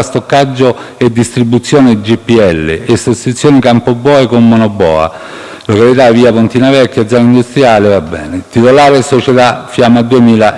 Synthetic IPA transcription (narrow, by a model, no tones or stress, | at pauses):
ast̪okːad͡ʒːo | ed̪ːist̪ɾibːut̪sːjoːned͡ʒipːiɛlːḛesost̪ɾit̪sjoːnikampobːɔːekomːonobːɔ̰ːa̰ | lokalit̪aviːapont̪inavɛkːjad̪zɔːnaind̪ust̪ɾjaːlevabːɛ̰ːnet̪it̪olaːɾesot͡ʃet̪afːjamad̪uemiːla